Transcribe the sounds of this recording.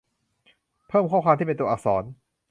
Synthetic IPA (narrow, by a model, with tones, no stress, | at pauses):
pʰɤː˥˩mkʰɔː˥˩wkwaː˧t̪iː˥˩pe˧nt̪u˧ɐʔa˨˩k̚sɔː˩˦n